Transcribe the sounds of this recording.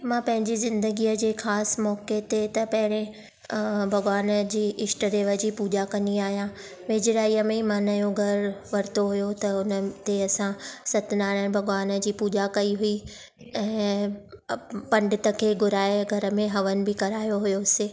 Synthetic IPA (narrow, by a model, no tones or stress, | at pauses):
mãːpɐ̃ɦɪ̃ɲd͡ʑizɪ̃nd̪əɡiːəd͡ʑeːxaːsmɔːket̪et̪ɐpɐɦɪɽ̃ẽ | bʱɐɡʋaːnd͡ʑiːʔɪʃʈəɾeːʋəd͡ʑiːpuːd͡ʑakɐ̃niaːɦijã | ʋeːd͡ʑɾaːiːəmẽmãːnajoɡʱɐɾʋɐɾt̪oɦʊjot̪ɐʊnət̪eɐsãsɐt̪ɪnaːɽə̃bʱɐɡʋaːnəd͡ʑiːpuːd͡ʑakɐiɦui | ɛ̃ː | pɐ̃ɳɖɪt̪əkʰeːɡʱʊɾaːeɡʱɐɾə̆mẽɦɐʋənɪ̆bɪkɐɾaːjoɦʊjoseː